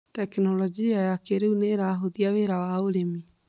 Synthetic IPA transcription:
tɛknɔlɔd͡ʒiajakeɾeuneɾaɦoðiaweɾawaoɾemi

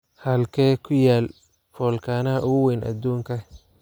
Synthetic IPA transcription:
hɐlkʰɛːkʰʊjaːl | fɔːlkʰaːnɐɐʔʊʊwɛjnʔɐ̰d̪uːŋkʰɐ

